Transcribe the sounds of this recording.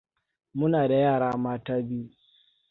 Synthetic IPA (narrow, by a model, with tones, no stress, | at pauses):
mʊ˦naː˨da˨jaː˦˨ɽaː˦ʔa˨maː˦taː˦bi˦u˦